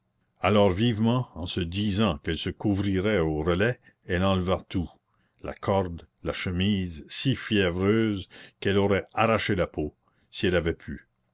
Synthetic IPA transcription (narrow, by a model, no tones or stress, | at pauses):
alɔːʁvivmɑ̃ɑ̃səd̪izɑ̃kɛlsəkuvʁiʁɛoʁəlɛ | ɛlɑ̃ləvat̪u | la̰kʰɔʁd̪ | laʃəmiːzsifjɛvɾøːzkɛlɔɾɛaɾaʃelapo | siɛlavɛpʰy